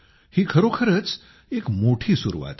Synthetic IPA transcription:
hiːkʰəɾokʰəɾət͡s | ekmoʈʰiːsuɾṵʋa̰t̪

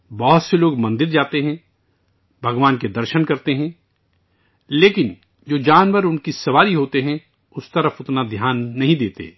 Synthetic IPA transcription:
bɐɦʊt̪seloːɡmɐ̃nd̪ɪɾd͡ʒaːt̪eɦɛ̃ | bʱɐɡʋaːnked̪ɐɾʃənkɐɾt̪eɦɛ̃ | leːkɪn | d͡ʒoːd͡ʒaːnʋəɾʊnkisɐʋaːɾiɦoːt̪eɦɛ̃ | ʊst̪ɐɾəfʊt̪nad̪ʱjaːnːɐɦĩd̪eːt̪ḛ

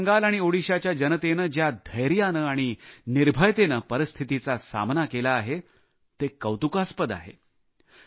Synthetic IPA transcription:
ŋɡalaɽ̃ioɽiɕat͡ɕjad͡ʑənət̪enəd͡ʑjad̪ʱəjɾjanəaɽ̃iniɾbʱəjt̪enəpəɾist̪ʰit̪it͡sasa̰mnakelaːɦe | t̪ekəwt̪ukaspəd̪a̰ɦḛ

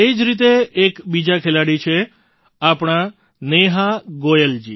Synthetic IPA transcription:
ed͡ʒɾit̪̬eːkbid͡ʒakʰelaɽit͡ʃʰe | apɳ̃a | neɦaɡojəld͡ʒi

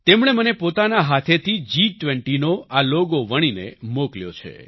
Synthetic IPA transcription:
t̪emɳ̃emənepot̪anaɦat̪ʰet̪ʰid͡ʒiʈʋɛɳʈinoʔaloɡoʋəɽ̃inḛmokljo̰t͡ʃʰḛ

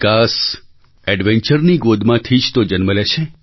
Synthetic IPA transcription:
kas | ɛɖʋẽɲt͡ʃəɾniɡod̪ʱmãt̪ʰid͡ʒt̪od͡ʒənməleʃʰe

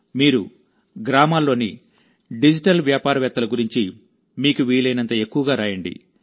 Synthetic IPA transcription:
miːɾu | ɡɾaːmaːlːo̞ːni | ɖid͡ʒiʈɐlʋjaːpaːɾɐʋjɛːt̪ːɐlɐɡuɾiɲt͡ʃi | miːkuʋiːlɐjnɐnt̪ɐe̞kːuʋɐɡaːɾaːjɐɳɖḭ

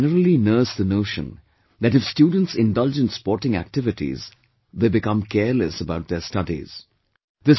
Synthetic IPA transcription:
nəɾəl̩inəːsd̪ənoːʃə̰̃n | d̪æʈɪfstjuːɖə̃n̩ʈsɪ̃nɖʌld͡ʒə̃nʈspɔːɾʈɪ̃ŋæ̰k̚ʈɪʋɪʈḭz | d̪eːbɪkʌ̃mkɛːɾləsəbaʊʈ̚d̪estʌdḭz̥ | d̪ɪ

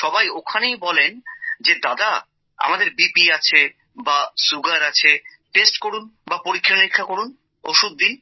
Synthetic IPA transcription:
ʃɔbajokʰanejbɔlend͡ʑed̪ad̪a | a̰mad̪eɾbipiat͡ɕʰe | basuɡaɾat͡ɕʰeʈesʈkoɽunbapoɾikʰːanɾikʰːakoɽun | oʃud̪̚ːin

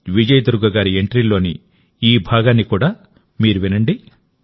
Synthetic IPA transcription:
ʋid͡ʒɐjd̪uɾuɡɐɡaːɾieɳʈɾilo̞ːni | iːbʱaːɡaːnːikuːɽaː | miːɾuʋinɐɳɖi

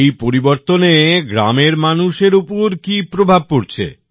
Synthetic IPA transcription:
ejpoɾiboɾt̪oneɡɾameɾmanuʃeɾupoɾkipɾobʱab̚poɾt͡ɕʰḛ

